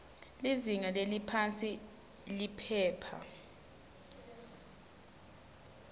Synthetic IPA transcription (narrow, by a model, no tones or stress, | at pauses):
liziŋalelipʰant͡sʼi | lipʰɛːpʰa̰